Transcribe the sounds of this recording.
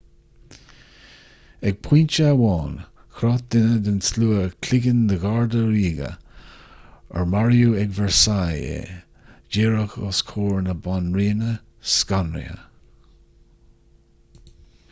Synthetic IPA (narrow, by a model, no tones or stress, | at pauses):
ɛɡ̚pʰint͡ʃəawɑːn | kʰɾɑːt̪̚d̪ɪnəd̪ɪnsluːəkʰlɪɡənd̪əɡaɹd̪əɾiːɡə̰ | ə̰ɹmaɹjuɛɡvɛɹsajḛ | d͡ʒeːɹəxɑ̰skʰoːɹnəbanɹiːnə | skanɾḭə̰